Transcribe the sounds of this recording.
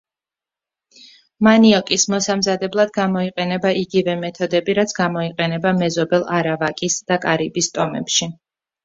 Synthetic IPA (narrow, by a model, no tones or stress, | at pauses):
maniɔkʼismɔsamzad̪ɛblˠad̪ɡamɔiqʼɛnɛbaʔiɡivɛmɛt̪ʰɔd̪ɛbiɾat̪sʰɡamɔiqʼɛnɛbamɛzɔbɛlˠaɾavakʼisd̪̥akʼaɾibist̪ʼɔmɛ̰pʃi